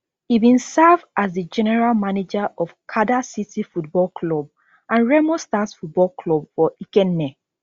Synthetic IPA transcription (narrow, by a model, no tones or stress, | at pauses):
hibĩnsavazdid͡ʒɛnɛɹalmaned͡ʒaʔɔfkʰadasitifut̚bɔlkʰlɔb̚ | ʔãnɹɛmɔ̃stasfut̚bɔlkʰlɔb̚fɔikɛ̃nːɛ